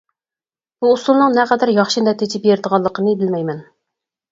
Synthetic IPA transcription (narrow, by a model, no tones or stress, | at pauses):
b̥uːsulˠnɨŋnɛqɛd̪ɾjɑχʃind̪ɛt̪ʰet͡ʃ̪ʲʰɪpjeɾd̪əʁɑlˠːəqʰənɨbɪlmɛjmɛn